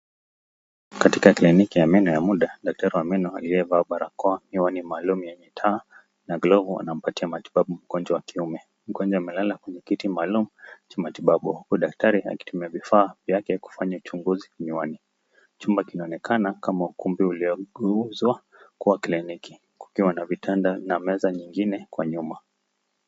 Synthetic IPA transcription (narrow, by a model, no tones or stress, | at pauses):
katikaklinikijamɛnɔjamuɗaɗak̚taɾiwamɛnɔaliɛvaɓaɾakɔamiwanimaːlumujɛɲɛtʰaː | naɡlɔvua̰nam̩patiamati̥ɓaɓum̩ɡɔnd͡ʒawakiumɛ | m̩ɡɔnd͡ʒaamɛlalakwɛɲɛkitimaːlumut͡ʃamatiɓaɓuhukuɗak̚taɾia̰ki̥tumiavifaːvjakɛku̥faɲaut͡ʃuŋɡuzikɲiwani | t͡ʃumbakinaɔnɛkʰanakamaukumbiuliɔuzwa | kuwakliniki̥ | ku̥kiwanavitʰandanamɛzaɲiŋɡinɛkwaɲuma